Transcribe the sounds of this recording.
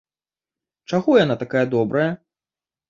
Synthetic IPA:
t͡ʂaɣɔjanat̪akajɐd̪ɔbɾɐjɐ

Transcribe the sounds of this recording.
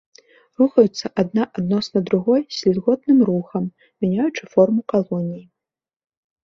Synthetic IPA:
ruxɐjut̪sːɐʔad̪naʔad̪nɔsnɐd̪ɾuɣɔjsʲlʲɛd̪ɣɔt̪nɨmruxɐm | mʲanʲajut͡ʂɨfɔrmukalˠɔnʲiji

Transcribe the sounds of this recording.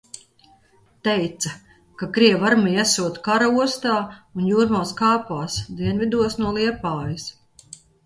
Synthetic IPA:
t̪ɛjt̪sɐ | kakɾiɛvaɾmijɛsuɔt̪kaɾauɔst̪aːunjuːɾmaːskaːpaːsd̪iɛnvid̪uɔsnuɔlˠiɛpaːjis

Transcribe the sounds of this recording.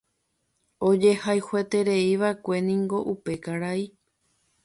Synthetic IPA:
o̞d͡ʒe̞hajhwe̞t̪e̞ɾe̞iʋaekʷe̞nĩŋɡo̞ʔupe̞kaɾai

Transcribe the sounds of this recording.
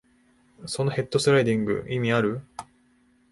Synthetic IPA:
so̞no̞he̞t̪ːo̞sɨɾaid̪ʲĩŋɡɯ̰ʔimʲiaɾɯ̟

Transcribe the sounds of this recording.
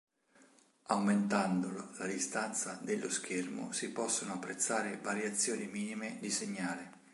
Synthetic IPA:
awment̪and̪ololad̪ist̪ant̪sad̪elːosk̟ermo̰sipɔsːonoapːɾet̪sːaːɾevaɾjat̪sːjoːnimiːnimed̪iseɲːaːli

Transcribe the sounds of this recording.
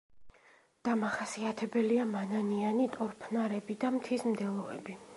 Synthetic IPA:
d̪̥amaχasiat̪ʰɛbɛliamananianit̪ʼɔɾpʰnaɾɛbid̪amt̪ʰismd̪ɛlˠɔɛ̰bi

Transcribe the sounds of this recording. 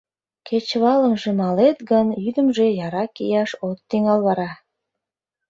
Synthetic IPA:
kʰet͡ɕβɑlə̆mʒĕmɑlet̪ɡə̆njyd̪ə̆mʒejɑɾɑkijɑʃot̪ːeŋɑlˠβɑɾɑ

